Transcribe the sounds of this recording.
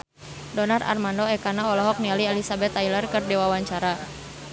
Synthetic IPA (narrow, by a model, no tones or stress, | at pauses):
dɔnara̰rmandɔɛkanaɔlɔɦɔk̚nialiɛlisabɛt̪ailarkɨrdɛwawaɲt͡ʃaɾa